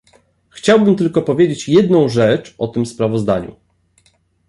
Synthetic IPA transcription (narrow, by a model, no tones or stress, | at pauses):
xt͡ɕawbɘmt̪ɘlkɔpɔvʲjed͡ʑet͡ɕjɛd̪nɔ̃w̃ʐɛt͡ʂɔt̪ɘmspɾavɔzd̪a̰ɲṵ